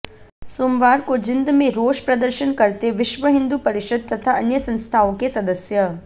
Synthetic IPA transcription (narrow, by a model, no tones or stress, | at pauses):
soːmʋaːɾkod͡ʒɪnd̪mẽɾoːʃpɾɐd̪əɾʃənkɐɾt̪eʋɪʃʋəɦɪ̃nd̪upɐɾɪʃɐd̪̚t̪ɐt̪ʰaɐnjəsɐ̃nst̪ʰaːõkesɐd̪əsjɐ